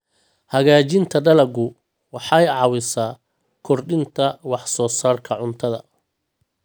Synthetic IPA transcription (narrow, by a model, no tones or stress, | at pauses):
hɐɣaːt͡ʃɪnt̪ʰɐɖɐlɐɡʊ | wɑħɑjɑwɪsaː | kʰɔrɖɪnt̪ʰɐwɑħsɔːsaːrkʰɐʕʊnt̪ʰɐðɐ̰